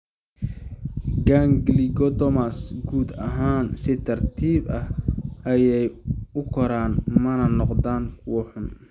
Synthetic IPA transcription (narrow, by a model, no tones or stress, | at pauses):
ɡaŋɡliɡɔd̪ɔmasɡuːd̪ɐɦaːnsɪt̪ʰɐrt̪ʰiːbɐhʔɐjɛjʊkʰɔɾaːnmɐnɐnɔqd̪aːŋkʰuːħʊn